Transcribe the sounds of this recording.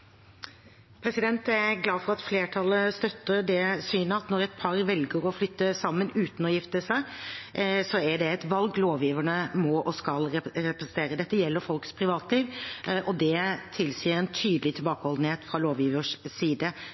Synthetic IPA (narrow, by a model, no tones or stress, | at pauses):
pʰɾɛsɪd̪ɛnt̪æɡlɑːfɔɾɑt̪fleːʈʰɑlːəst̪œt̪ːəɾɖ̪ɛsyːnəɑt̪nɔɾɛt̪̚pʰɑɾʋɛlɡəɾɔflʏt̪ːəsɑmːənʉːt̪n̩ɔjɪft̪əsæɪ | sɔæɖɛɛt̪ʋɑlɡloːʋjiːʋəɳəmɔʔɔskɑlɛɾɛpəsənt̪ʰeːɾəd̪ɛt̪ːəjɛlːəɾfɔlkspʰɾɪʋɑːt̪liːʋʔɔd̪ɛt̪ʰɪlsiːəɾɛnt̪ʰyːd̪əlɪt̪ʰɪlbɑːkəhɔld̪n̩heːt̪fɾɑloːʋjiːʋəʂsiːd̪ə